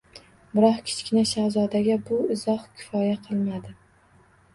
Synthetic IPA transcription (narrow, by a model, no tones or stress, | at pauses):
bɪɾɒχkʲʰɪ̥t͡ʃkʲɪnaʃazɒd̪aɡʲabʊɪzɒχkʲʰɪ̥fɒjaqʰɨlˠmad̪ɪ